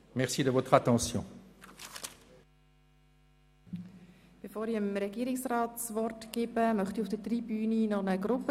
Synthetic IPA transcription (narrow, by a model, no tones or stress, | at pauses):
mɛʁsid̪əvɔt̪χat̪ɑ̃sjɔ̰̃ | b̥efoːɾiəmɾɛɡiːɾɪksraːtsvɔrtɡ̥ɪːbəmœχtiʊfd̥ətʁibyːninɔχnəɡɾʊp